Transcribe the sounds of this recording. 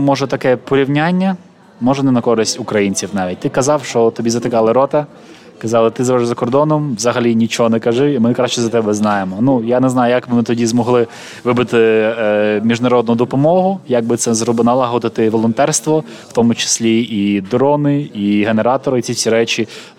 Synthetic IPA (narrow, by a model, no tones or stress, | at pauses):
mɔʒɛt̪ɐkɛpɔɾʲiwnʲanʲːɐ | mɔʒɛnɛnɐkɔɾɪsʲtʲʊkɾɐjinʲt͡sʲiwnɑʋʲit̚ʲt̪ɪkɐzɑwʃt͡ʃɔt̪ɔbʲizɐt̪ɪkɑlˠɪɾɔt̪ɐ | kɐzɑlˠɪt̪ɪzɐɛɾzɐkɔrd̪ɔnɔmʋzɐɦɐlʲinʲit͡ʃɔɦɔnɛkɐʒɪimɪkɾaʃt͡ʃɛzɐt̪ɛbɛznɑjemɔnujanɛznɑjʊjɐkbɪmɪt̪ɔdʲizmɔɦlˠɪ | ʋɪbɪt̪ɪ | mʲiʒnɐɾɔd̪nʊd̪ɔpɔmɔɦʊjɐɡ̚bɪt̪sɛzrɔbɪnɐlˠɐɦɔd̪ɪt̪ɪʋɔlˠɔnt̪ɛrst̪ʋɔ | wt̪ɔmʊt͡ʃɪ̥sʲlʲiid̪ɾɔnɪiɦeneɾɑt̪ɔɾɪt͡sʲisʲiɾɛt͡ʃʲi